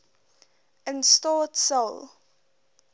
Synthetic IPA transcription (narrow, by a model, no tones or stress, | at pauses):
ə̃nstɔːtsəl